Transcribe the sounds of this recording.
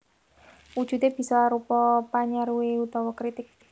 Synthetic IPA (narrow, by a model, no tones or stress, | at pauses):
wud̥ʒ̥ṳt̪eb̥i̤sɔɾupɔpaɲaɾuwiut̪ɔwɔkɾit̪ɪk̚